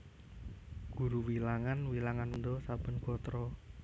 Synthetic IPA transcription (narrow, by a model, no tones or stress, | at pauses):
ɡ̥ṳɾuwilaŋanwilaŋannd̪ɔsab̥ə̤nɡ̥ɔ̤t̪ɾɔ